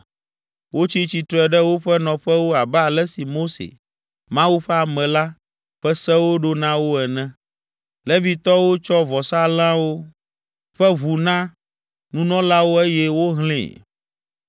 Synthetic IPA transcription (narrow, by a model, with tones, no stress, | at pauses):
wo˦t͡ɕi˦t͡ɕi˨t̪ɾɛ˨ɖɛ˦wo˦ɸɛ˦nɔ̃˨ɸɛ˦wo˦a˨bɛ˦a˨lɛ˦si˨mo˦sḛ˨ | mã˦wu˦ɸɛ˦a˨mɛ̃˨la˦ | ɸɛ˦sɛ˦wo˦ɖo˦nã˦wo˦ɛ˨nɛ̃˦ | lɛ˦vi˨t̪ɔ˦wo˦t͡ʃɔ˦vɔ˨sa˦lã˦wo˦ | ɸɛ˦βu˨nã˦ | nũ˦nɔ̃˦la˦wo˦e˦jɛ˦wo˦ɦlḛ̃˨